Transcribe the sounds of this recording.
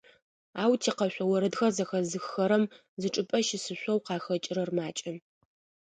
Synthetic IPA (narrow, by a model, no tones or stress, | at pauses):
aːwtʰiːqɐɕʷɔwɐɾɐdxɐrzɐxɐzɨxːɐɾɐm | zɨʈ͡ʂʼɨpʼɐʃɪsɨɕʷʼɔwqɑːxɐt͡ʃʼɪɾɐrmaːt͡ʃʼɐn